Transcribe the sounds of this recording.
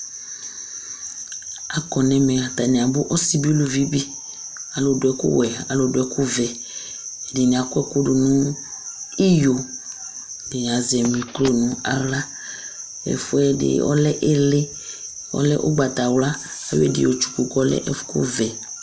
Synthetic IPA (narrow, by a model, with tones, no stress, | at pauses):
a˨kɔ˨nɛ̃˨mɛ˨ɣa˨t̪a˨nɛ̃˨a˨bʊ˦ʔɔ˦si˦bi˦lu˨vi˦bi˦ | a˨lo˨dʊ˨ɛ˦kṵ˦wɛ˨a̰˨lo˨dʊ˨ɛ˦ku˦vɛ˨ | dɪ˨ɲĩ˨a˨kʊ˦ɛ˦ko˦du˨nũ˦ | i˦jo˨ | de˨ɲ˨a˨zɛ˨mĩ˨klo˦nũ˨˦a̰˨la˦ | ɛ̰˨fu˦ɛ˦dɪ̰˨ɔ̰˦lɛ˦ʔe˦le˦ | ɔ̰˦lɛ̰˦ʔo̰˦ɡ͡ba˨t̪a˨wla˦ | a˨jo̰˦ɛ̰˦˨dɪ̰˨o˨t͡ʃu̥˨ku˨kɔ˦lɛ̰˦ʔɛ̥˦kṵ˦vɛ˨